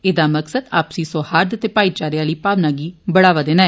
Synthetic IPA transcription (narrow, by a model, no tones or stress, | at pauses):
ɪd̪aːməksəd̪a̰ːpsiːsoːhaːɾd̪ət̪eːpaːiːt͡ʃaːɾjaːliːpaːʋnaːɡiːbəɽaːʋaːd̪eːnaːɛː